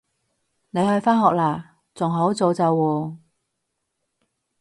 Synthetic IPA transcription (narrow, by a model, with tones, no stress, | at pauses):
ne˨˧jhɵ˧ɥfaː˥nɦɔː˨k̚laː˨˩ | t͡sʊ˨˩ŋɦo˨˥wt͡so˨˧wt͡sɐ˨˧wːɔː˧